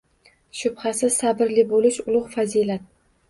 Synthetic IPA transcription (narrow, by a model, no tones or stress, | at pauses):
ʃʊbhasɪzsabɪɾlɪbolɪʃʊlˠʊʁfazilat̪̚